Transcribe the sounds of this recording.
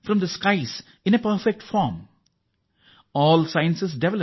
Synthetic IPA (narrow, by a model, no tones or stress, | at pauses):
fɾɔ̃md̪əskaɪs | ɪ̃nepəɾfek̚ʈfɔːɾm | ɔːlsãɪə̃nsɪs̬ɖeʋɛlə